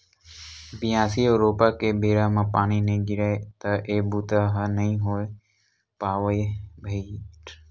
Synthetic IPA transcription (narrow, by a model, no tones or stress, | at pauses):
bijãːsiːoːɾoːpaːkebeːɾaːmãpaːniːnẽɡɪɾet̪əʔeːbuːt̪aɦənəĩːɦoːe | paːʋəbʱəiʈ